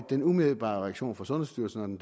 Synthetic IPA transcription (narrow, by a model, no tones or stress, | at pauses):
d̥enumeel̩ˠb̥ɑ̰̈ːʁɛaɡ̥ɕo̝̰ːnfɒ̽sɔ̽nəsd̥yɐlsn̩ɒd̥end̥